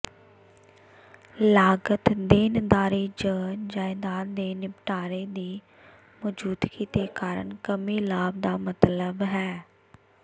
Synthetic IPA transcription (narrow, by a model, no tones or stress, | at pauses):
laːɡət̪d̪eːnd̪aːɾiːd͡ʒəːnd͡ʒaːɪd̪aːɾd̪eːnɪpʈaːɾeːd̪iː | mɔd͡ʒuːd̪kʰiːt̪eːkaːɾə̰ɳkəmiːlaːb̚d̪aːmət̪ləbɦɛː